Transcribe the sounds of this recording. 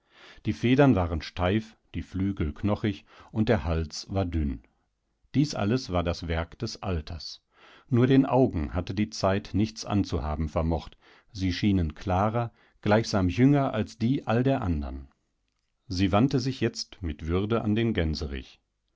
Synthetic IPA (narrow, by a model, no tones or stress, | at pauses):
d̥iːfeːdɐnvaːʁənʃtʰaɪf | d̥iːflyːɡl̩kʰnɔχɪçʔʊnt̚d̥eːɐhalt͡sv̥aːɐdʏn | d̥iːsʔa̰ləsv̥aːɐdasv̥ɛɐkd̥ɛsʔa̰ltʰɐs | nuːɐdeːnʔaʊɡŋ̩hatədiːt͡saɪtnɪçt͡sʔa̰nt͡suha̰ːbm̩fɛɐmɔχt | ziːʃiːnənkʰl̥aːʁɐ | ɡ̥laɪçz̥aːmjʏŋɐʔalsd̥iːʔaldeːɐʔandɐ̰n | ziːvantəzɪçjɛt͡stmɪtv̥ʏɐdəʔa̰ndeːnɡɛnzəʁɪ̰ç